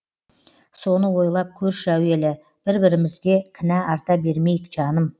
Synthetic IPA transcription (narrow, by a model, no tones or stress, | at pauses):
so̞nəwo̞jlˠɑp̚kʲʰɵɾʃæwe̞lɪ | b̥ɪɾbɪɾɪmɪzɡ̪ʲe̞kʲʰɪnæɑɾt̪ɑbe̞ɾme̞jɪkʒ̥ɑnəm